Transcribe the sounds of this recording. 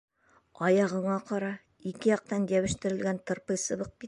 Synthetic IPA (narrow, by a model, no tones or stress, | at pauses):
ɒjɑʁɤ̆ɴɑqɒɾɑ | ikɘjɒq̚t̪ɑnjæwɘ̆ʃt̪ɘ̆ɾɘ̆lɡænt̪ɤ̆ɾpɤjsɤ̆βɤq̚kit̪